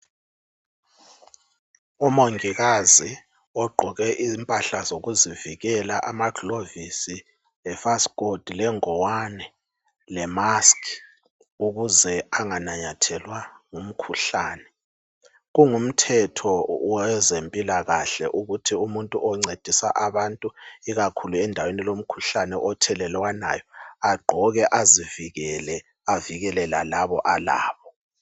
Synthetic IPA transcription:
umoŋiɣazi | ɔɡ͡ǃʱɔɣɛʔizmpʼaɬazoɣuziviɣɛlaʔamaɡʱlovisi | ɛfasɡ̥od̥ʱilɛŋɔwanɛ | lɛmask | uɣuzɛaŋanaɲatʰɛlwaŋum̩kʰuɬaːnɛ | ɣuŋum̩tʰɛtʰɔwɛzempʼilaɣaɬɛ̰ʔuɣutʰiumuntʼuʔɔŋ͡ǀed̥ʱisa̰ʔaβantʼuiɣakʰuluɛndʱawenilom̩kʰuɬanɛʔɔtʰɛlɛlwana̰jɔaɡ͡ǃʱɔɣɛʔaziviɣɛlɛ | aviɣɛlɛlalaβɔʔala̰ːβɔ

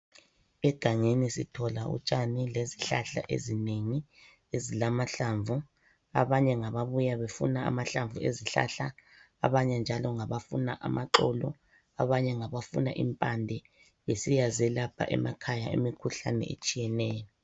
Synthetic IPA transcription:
ɛɡ̥ʱaŋenisitʰɔla̰ṵt͡ʃʼanileziɬaɬa̰ʔḛzineŋi | ezilamaɬaɱvu | a̰βaɲɛŋaβaβujaβefṵnaa̰maɬaɱvueziɬa̰ɬa̰ː | βaɲɛnd͡ʒʱalɔŋaβafuna̰ʔa̰maǃɔlɔ | aβaɲɛŋaβafuna̰ʔḭmpʼandʱɛ | βesijazɛlapʰa̰ʔɛ̰makʰajaḛmikʰuɬa̰nɛ̰ḛt͡ʃʼijɛnɛːjɔ

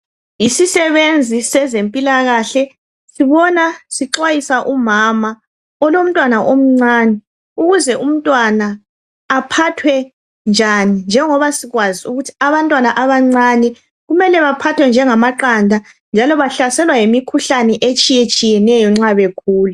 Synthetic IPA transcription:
isisɛβend͡zʱisɛzempʼilaɣaɬɛ | siβɔnasiǃwajisaʔumama | ɔlom̩tʼwanaʔom̩ŋ͡ǀaːnɛ | uɣuzɛʔum̩tʼwanaː | pʰatʰwɛ | nd͡ʒʱanind͡ʒʱɛŋɔβasiɣwaziuɣutʰi̥aβantʼwanaʔaβaŋ͡ǀanɛ | ɣumɛlɛβapʰatʰwɛnd͡ʒʱɛŋamaǃandʱa | nd͡ʒʱalɔβaɬasɛlwajemikʰuɬanɛʔet͡ʃʼijet͡ʃʼijɛnɛjɔŋ͡ǁaβekʰuːlu

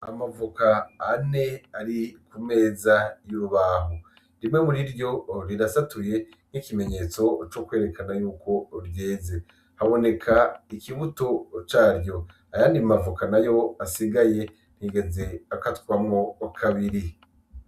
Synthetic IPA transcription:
a̰mavukaːne̞aɾikume̞ːzajuɾuβaːɦo | ɾimŋe̞muɾiɾjo̞ɾiɾasatuje̞ | n̥hikime̞ɲe̞ːt͡so̞t͡ʃokwe̞ːɾe̞kʰanajuːkʰo̞ɾje̞ːze | haβo̞ne̞kʰaikiβuto̞t͡ʃaːɾjo̞ | ajaːndimavukanajo̞asiɡaje̞ | n̥hiɡezeakatkwamŋokʰaβiɾi

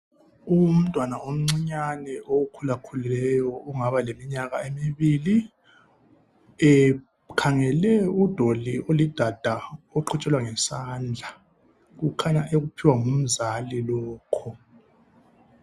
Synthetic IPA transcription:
um̩tʼwanaom̩ŋ͡ǀiɲanɛoukʰulakʰulilɛjɔuŋaβalemiɲaɣaemiβili | ɛ | kʰaŋɛlɛud̥ʱoliolid̥ʱad̥ʱaoǃʰɔt͡ʃʼɛlwaŋɛsand͡ɮʱa | ɣukʰaɲaʔeɣupʰiwaŋum̩zalilɔːkʰɔ

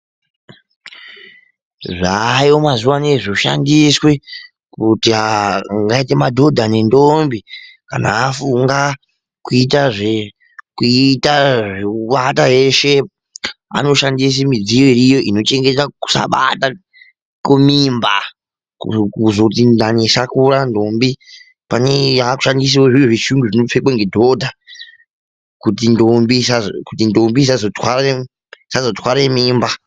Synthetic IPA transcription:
ʐaiomazuwaneʐoʃa̰ndiswe | kutiaŋɡaitemadʱo̞dʱane̞ndo̞mbi | ka̰na̰ːfuŋɡa | kuitaʐe | kuitaʐeɓatajeʃe̞ | a̰no̞ʃandis̬imid͡zijoiɾijo̞ʔino̞t͡ʃe̞ŋɡetaku̥sa̰ɓa̰ta | kumimba | kukuzotindanesakuɾandombi | panejaku̥ʃandis̬iwoʐioʐiʃuŋɡuʐinop͡fekwaŋɡedʱo̞dʱa | kutindombisakutindo̞mbis̬azotwaɾa | sazotʰwaɾemiːmba

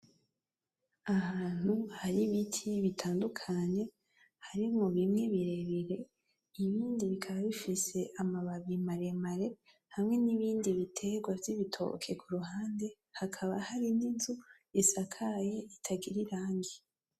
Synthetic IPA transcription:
ahaːn̥huhaɾiβitʰiβitʰaːndukʰaɲe̞ | haɾimŋoβimŋe̞βiɾe̞βiɾe̞ | iβiːndiβikʰaβaβifise̞ʔamaβaβimaɾemaɾe̞ | hamŋe̞niβiːndiβitʰe̞ɡwaviβitʰo̰kʰe̞kʰuɾuhaːnde̞ | hakʰaβahaɾininzu | isakʰaje̞itʰaɡiɾiɾaːŋɡi

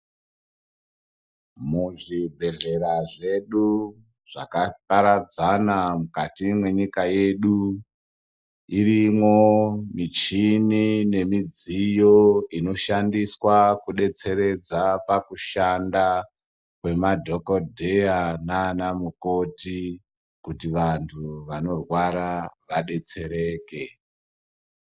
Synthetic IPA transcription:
muʐibʱe̞ɮe̞ɾaʐe̞ɗu | ʐ̥a̰kapaɾad͡zanamukatimwe̞ɲikaje̞ɗu | irimwo̞mit͡ʃinine̞mid͡zijo̞ino̞ʃandiswakuɗe̞t͡se̞ɾe̞d͡zapakuʃanda | kwe̞madʱo̞kodʱe̞jananamuko̞ti | kutiʋantʰuʋano̞rwaɾaʋaɗe̞t͡se̞ɾe̞ːke̞

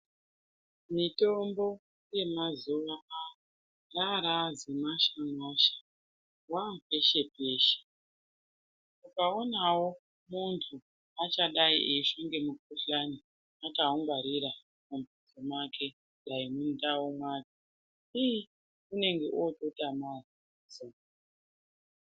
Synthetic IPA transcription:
mito̞mbo̞ | je̞mazuʋa | raɾazemaʃamaʃḁ | wape̞ʃe̞pe̞ːʃe̥ | mukao̞nawo | muntʰu | at͡ʃaɗaḭʔeʃoŋɡe̞mukuɬani | akauŋɡwaɾiɾa | mumpid͡zomwakʰe̞ | ɗaimundawomwake | i | une̞ŋɡe̞ʔototamari | zo

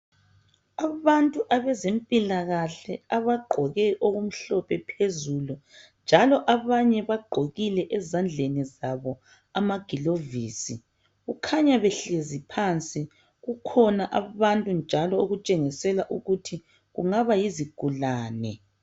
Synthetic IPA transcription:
aβantʼuʔaβɛzempʼilaɣaɬɛaβaɡ͡ǃʱɔɣɛʔoɣum̩ɬɔpʰɛpʰezulund͡ʒʱalɔʔaβaɲɛβaɡ͡ǃʱoɣilɛʔɛzand͡ɮʱenizaβɔ | amaɡ̥ʱiloviːsi | ɣukʰaɲaβɛɬezipʰant͡sʼi | ɣukʰɔnaʔaβantʼund͡ʒʱalɔoɣut͡ʃʼeŋisɛlaʔuɣutʰi | ɣṵŋaβajiziɡ̥ʱulaːnɛ̰

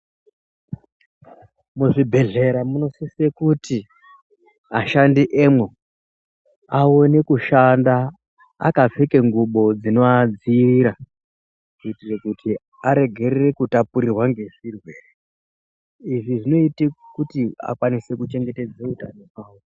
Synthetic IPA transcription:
muʐibʱe̞ɮe̞ɾamuno̞sisekuti | aʃandiʔemwe | ao̞nekuʃanda | a̰kafekeŋɡuɓo̞d͡zinoad͡ziriɾa | kuitirekuti | aɾe̞ɡʱe̞rere̞kutapuɾirwaŋɡe̞ʐ̥irwe̞ːre | iʐiʐino̞itikutia̰kwanise̞kut͡ʃe̞ŋɡe̞te̞d͡zeutanomaːwo

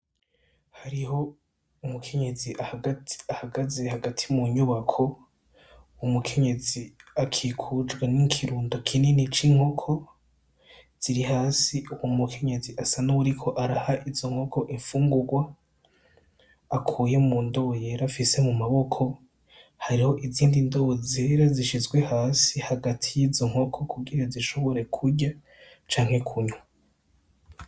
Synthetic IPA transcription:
haɾiho̞ | umukʰe̞ɲe̞ziʔaahaɡazehaɡatʰimuɲuβakʰo̞ | umukʰe̞ɲe̞ziakʰikʰud͡ʒɡwenikʰiɾuːndokʰininit͡ʃiŋ̥ho̞kʰo̞ | z̥iɾihaːsiuwumukʰe̞ɲe̞ziʔasanaβuɾikʰo̞ʔaɾahaʔizo̞ŋ̥ho̞kʰo̞ʔiɱfuːŋɡuɾɡwa | kʰuːje̞muːndo̞jeɾafise̞mumaβo̞kʰo̞ | haɾiho̞ʔiziːndindozeːɾaziʃizɡwe̞haːsihaɡatʰijiːzo̞ŋ̥ho̞kʰo̞kuɡiɾaziʃo̞βo̞ɾe̞kʰuɾɟa | t͡ʃaːŋ̥he̞kʰuɲu

